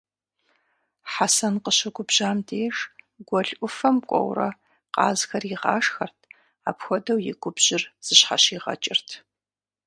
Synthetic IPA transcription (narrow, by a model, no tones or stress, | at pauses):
ħasɐnqəɕɐɡʷʊbʑaːmdʰeːʒ | ɡʷɔɮʔʷʊfɐmkʷʼɔ̰wrɐ̰ | qɑ̰ːzxɐriʁɑ̰ːʂxɐrtʰ | aːpxʷɔdɐwjɪ̰ɡʷʊbʑ̥ɪrz̥ɨɕħa̰ɕiːʁɐ̰t͡ʃʼɪrtʰ